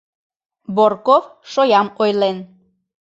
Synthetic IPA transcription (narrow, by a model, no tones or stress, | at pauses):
borkofʃojɑmojlen